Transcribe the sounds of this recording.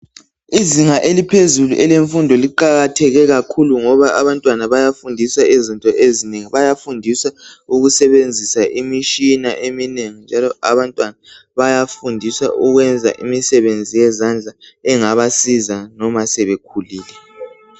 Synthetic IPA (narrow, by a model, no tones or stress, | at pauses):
iziŋaʔelipʰezuluʔɛleɱfundʱɔliǃaɣatʰɛɣɛɣakʰuluŋɔβaʔaβantʼwanaβajafundʱisaizintʼɔʔezineŋiβajafundʱisauɣusɛβend͡zʱisaʔimiʃinaʔemineŋind͡ʒʱalɔaβantʼwana | βajafundʱisa̰ʔuɣwɛnd͡zʱa̰ʔimisɛβend͡zʱijɛzand͡ɮʱaɛŋaβasizanɔmasɛβekʰuliːlɛ